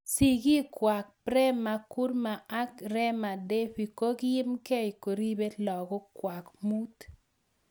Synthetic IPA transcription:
si˨ɡi˦kwa˨k̚pɾɛ˦ma˨ku˦ɾma˨a˦kɾɛ˦ma˨de˦ɸi˨ko˦ɡjɪ˦mke˦i˨ko˨ɾi˦be˦tlɔ˨ɡɔ˦kwa˨kmu˦t̪

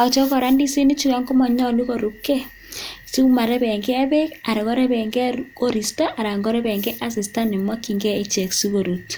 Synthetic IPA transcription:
a˨t͡ʃɔ˦kɔ˨ɾa˦ndi˦si˦ni˦t͡ʃu˦ka˦ŋɡo˦mɔ˨ɲɔ˦lu˦ko˨ɾu˦kːe˦ | su˦ma˨ɾe˦bɛ˨ŋɡe˦e˦be˦ka˨ɾe˨ko˦ɾe˦βɛ˨ŋɡɛ˦ko˦ɾi˨stɔ˦ʔa˨ɾa˨ŋɡo˦ɾe˦be˨ŋɡe˦ʔa˦s̬i˨sta˦ni˨mwa˦kːi˨ŋɡɛ˦i˦t͡ʃe˨ksu˦ko˨ɾut

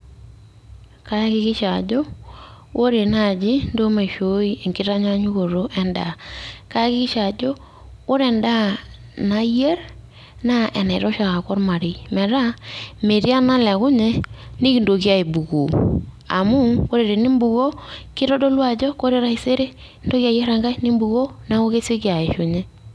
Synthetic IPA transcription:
ka˦kɪ˦kɪ˦ʃa˨d͡ʒɔ˦wo˦ɾe˨na˦˨d͡ʒi˦ndo˦ma˨ʃo˨˦i˦e˨ŋkɪ˦ɾa˦ɲa˦ɲu˦ko˨ɾo˦ʔɛ˦nda̰˨ka˦kɪ˦kɪ˦ʃa˨d͡ʒɔ˦ | ko˦ɾɛ˨nda˦na˦je˦ɾ | na˦ʔɛ˨na˨ɪ˨ɾɔ˦ʃa˨ka˨kɔ˦ɾma˨ɾi˨mɛ˨ɾa˦me˨ɾi˦a˦na˦lɛ˨kʊ˦ɲɛ˦nɪ˦ki˨ndo˨ki˦a˦i˨bu˨ku˨ | a̰˨mu˦ko˦ɾe˨ɾe˨ni˦mbu˨ɣo˦kɪ˦ɾɔ˦do˦lwa˦d͡ʒɔ˦ko˦ɾe˦ɾa˦˨se˦ɾe˦ | ndo˦ka˨jɛ˦ɾa˨ŋɡa˦i˦ni˦mbu˨ɣo˦na˦ko˦ke˦se˦ki˦a˨ɪ˨ʃo˨ɲɛ˦

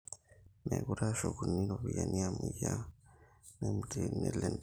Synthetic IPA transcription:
me˨ku˦ɾa˦ʃo˨kuni˦ɾoβija˨ni˦amuja˦ | nemuɾene˦len

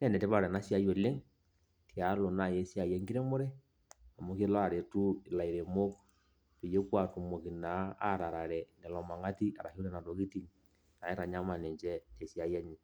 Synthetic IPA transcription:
nɛ˦˨nɛ˨te˦βa˦ɾɛ˨na˦sja˦jo˨le˦ŋ | tja˨˦lo˨na˨je˨˦sja˨jɛ˦ŋɡi˦ɾe˦mo˦ɾɛ˦ | a˨mo˨˦ke˦la˨ɾe˨tu˦˨la˨i˨ɾe˨mo˦k | pe˨je˦kwa˨tu˨mo˨ki˨na˨˦a̰˦˨ɾa˨ɾa˨ɾɛ˨nɛ˨lɔ˨ma˨ŋɡa˦ti˦a̰˨ɾa˨ku˦lɛ˦na˨to˨ki˦ti˨ŋ | na˨ɛ˦ɾa˨ɲa˦ma˨ne˨ɲd͡ʒɛ˦te˨sja˨jɛ˦ɲi˨

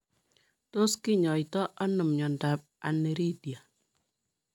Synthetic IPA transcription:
to˦skɪ˦ɲɔ˨jtɔ˦ʔa˦nɨ˨mɲɔ˨nda˨p̚a̰˨ne˨ɾi˦dja˨

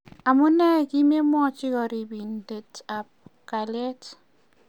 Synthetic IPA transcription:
a˨mʊ˦nɛ˦˨ki˦me˦mɔ˦t͡ʃi˦kɔ˨ɾi˨bi˨nde˨ta˨p̚ka˨ljɛ˦t

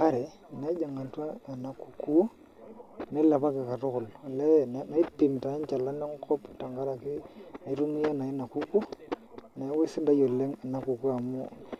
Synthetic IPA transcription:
ka˦ɾɛ˨ | ne˨˦d͡ʒa˨ŋa˨twa˦a˨na˨ku̥˨ku˦ | ne˦la˨pa˦kɪ˨ka˨tʊ˦kʊ˨la˨lɛ˦˨n˨na˦i˦pɪ˨m˨ta˨ɪ˦nt͡ʃa˨la˦ne˦ŋ˦kɔ˦pta˨ŋɡa˦ɾa˨kɪ˦na˨i˦ɾu˦ŋi˦ja˦na˨ɪ˦na˨ku˦ku˦ | na˨˦we˦sɪ˦da˦jo˨le˦ŋa˨na˨˦ku˨ku˦a˨mʊ˦

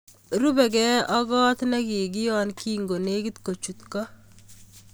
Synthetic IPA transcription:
ɾu˦bɛ˨ɡɛ˦ɔ˦ɡɔ˦t̪nɛ˦kɪ˨ɡɪ˦jɔ˦nki˦ŋɡo˨ne˦ɡɪ˦t̪ko˨t͡ʃu˨t̪kɔ˦

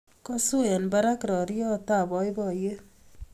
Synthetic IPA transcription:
kɔ˦su˦ɛ˨nba˦ɾa˦kɾɔ˨ɾi˦jɔ˦ta˦˨bɔ˨˦jbɔ˨je˦

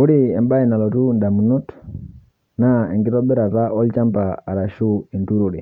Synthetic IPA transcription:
u˦ɾi˦ɛ˨mba˦i˨na˨lɔ˨tu˦nda˨mu˨nu˦t | na˦ɛ̰˨ŋɡi˦tɔ˦bɛ˦ɾa˨ta˦ʔɔ˦lt͡ʃa˦mpaː˨ɾa˨ʃu˦i˨ntu˦ɾu˨ɾi˨

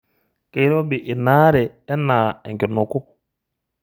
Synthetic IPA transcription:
ke˨˦ɾɔ˦bɪ˨ʔɪ˨naː˦ɾɛ˨ɛ˦na˨ɛ̰˨ŋkɪ˨nʊ˨kʊ˦

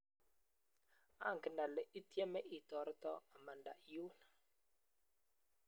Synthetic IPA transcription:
a̰˦˨ŋ˨ɡə˨nda˨lɛ˨ʔi˦tje˦mɛ˦ʔi˨tɔ˨ɾtɔ̰˦a˨ma˨nda̰˨ʔju˦na˨

